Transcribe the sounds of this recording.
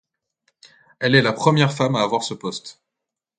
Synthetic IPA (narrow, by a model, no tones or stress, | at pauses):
ɛlɛlapχəmjɛʁfamaːvwaʁsəpɔst̪